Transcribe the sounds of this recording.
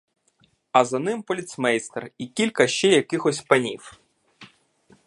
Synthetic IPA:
ɐzɐnɪmpɔlʲit̪smɛjst̪ḛrikʲilʲkɐʃt͡ʃɛjɐkɪxɔsʲpɐnʲiw

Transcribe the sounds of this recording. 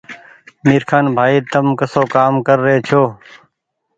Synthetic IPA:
miːɾkʰaːnbʱaːiːt̪əmkəsoːkaːmkəɾːəeːt͡ʃʰoː

